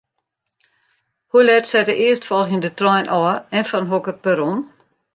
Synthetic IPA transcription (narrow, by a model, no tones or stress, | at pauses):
hulɛtsɛdəʔɪəstfɔlˠxəndətrɔjnʔɔːɛnfɔnɦokərpəɾon